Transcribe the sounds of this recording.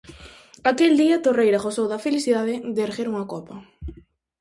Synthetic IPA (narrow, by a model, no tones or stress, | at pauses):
akeld̪iɐt̪orejɾɐɣosowðɐfelisiðaðɪd̪eɾɣeɾuŋɐkɔpɐ